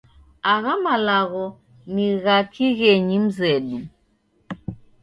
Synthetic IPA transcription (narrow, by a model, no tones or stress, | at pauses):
aɣamalaɣɔ | niɣakʰiɣɛɲim̩zɛɗu